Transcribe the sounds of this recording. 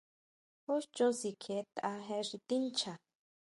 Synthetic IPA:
ho˦st͡ʃõ˦si˨kʰe˨˦t̪a˧˦ɦe˧ʂi˧t̪i˦nt͡ʃʰa˨

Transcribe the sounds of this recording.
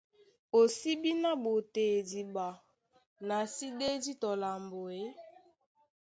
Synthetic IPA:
o˨si˦bi˦na˦bo˨te˨di˨ba˨ | na˨si˦de˦di˦tɔ˨la˨mbo˨e˦

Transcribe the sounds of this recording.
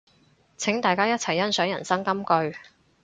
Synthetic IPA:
t͡sʰɪ˨˥ŋt̪aː˨jkaː˥jɐ˥t̚t͡sʰɐ˨˩jːɐ˥nsœː˨˥jɐ˨˩nsɐ˥ŋkɐ˥mkɵ˧ɥ

